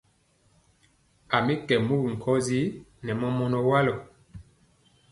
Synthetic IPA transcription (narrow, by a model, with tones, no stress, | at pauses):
a˨mi˦kɛ˨mu˦kŋ̩˨kʰɔ˦zi˦nɛ˨mɔ˦mɔ˦nɔ˨wa˦lɔ˨